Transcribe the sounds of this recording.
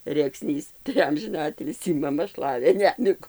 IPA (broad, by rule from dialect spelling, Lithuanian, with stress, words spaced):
rʲeːkˈsʲnʲiːs tɐɪ ˈɐmʲʒʲɪnɐ ˈɑːtʲɪlʲsʲiː mɐˈmɐ ˈʃlˠɑːʋʲeː ˈnʲæːmʲɪɡuː